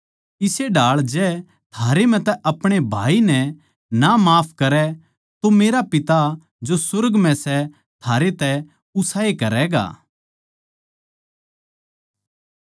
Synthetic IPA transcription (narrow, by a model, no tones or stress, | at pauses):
ɪseɖaːɭd͡ʒɛː | t̪ʰaːɾemɛ̃t̪ɛʔɐpɽ̃ebʱa̰ːinɛ | namaːpʰkɐɾɛ | t̪omeːɾapɪt̪a | d͡ʒosʊɾɡmɛ̃sɛ | t̪ʰaːɾet̪ɛ | ʊsaːekɐɾɛɡa̰ː